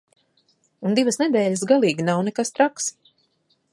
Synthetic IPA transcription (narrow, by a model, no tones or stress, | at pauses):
und̪ivəsnɛd̪ɛːʎʲəs̬ɡalˠiːɡinawnɛkast̪ɾaks